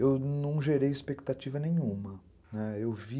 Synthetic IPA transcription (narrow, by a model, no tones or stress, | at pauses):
ewnɐ̃w̃ʒeɾejɪspekt̪at͡ʃivɐnẽj̃ũmɐ | nɛewvi